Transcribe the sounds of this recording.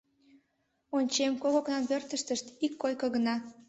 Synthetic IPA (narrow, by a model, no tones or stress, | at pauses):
onʲt͡ɕemkoɣoknɑnβørt̪əʃt̪əʃt̪ikːojkəɣənɑ